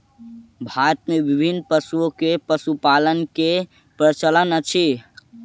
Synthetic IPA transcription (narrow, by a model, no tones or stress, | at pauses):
bʱat̪̚mebibʱinːpəsuokepəsupalənke | pɾət͡ʃələnət͡ʃʰi